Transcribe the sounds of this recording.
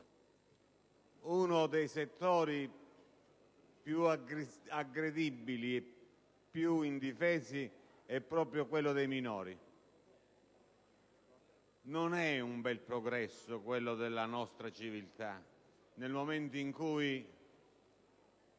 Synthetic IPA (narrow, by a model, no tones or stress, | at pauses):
unod̪ejset̪ːɔːɾi | pjuaaɡɾed̪ibːilie | pːjuind̪ifɛːsi | ɛpːɾɔːpɾjokwelːʊd̪ejminɔ̰ːɾi | nonɛumbɛlpɾɔɡɾɛsːʊkwelːʊd̪elːanɔst̪ɾat͡ʃivilt̪a | nelmoment̪oiŋkuːj